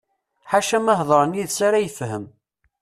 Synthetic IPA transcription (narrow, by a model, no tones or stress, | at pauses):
ħaʃæməɦðˤəɾˤəniðsaɾæjəfɦəm